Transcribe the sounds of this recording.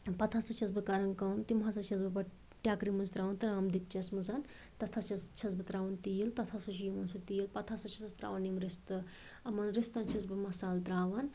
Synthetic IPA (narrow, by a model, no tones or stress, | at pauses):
pɐt̪ʰasɐt͡ʃʰɐzbɨkɐɾɐnkɐmt̪imɦasɐt͡ʃʰɐzbɨbɐ | ʈʲjaːkɾimɐnzt̪ɾaːʋɐnt̪ɾaːmd̪ikt͡ʃɐsmɨzɐn | t̪ɐt̪ʰat͡ʃʰɐst͡ʃʰɐzbɨt̪ɾaːʋɐnt̪ijilt̪ɐt̪ʰasut͡ʃiːʋɐnsut̪iːilpɐt̪ʰasɐt͡ʃʰɐsɐst̪ɾa̰ːʋɐnimɾist̪ɨ | ɐmɐnɾist̪ɐnt͡ʃʰɐzbɨmɐsaːlt̪ɾaːʋɐn